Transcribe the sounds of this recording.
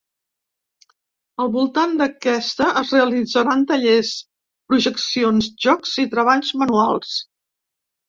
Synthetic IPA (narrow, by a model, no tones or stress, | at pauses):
əlˠβulˠt̪and̪əkɛst̪əʔəzreəlid͡zəɾant̪əʎes | pɾuʒəksionzʒɔkz̥it̪ɾəβ̞aʎzmənualˠs